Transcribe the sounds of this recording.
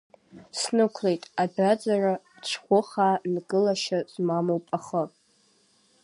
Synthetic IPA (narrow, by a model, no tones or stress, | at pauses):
snɨkʷʰlejtʼabad͡zara | t͡ʃʷʰχʷʊχaːnɡʼɨlaʃazmamowpʼaχəpʼ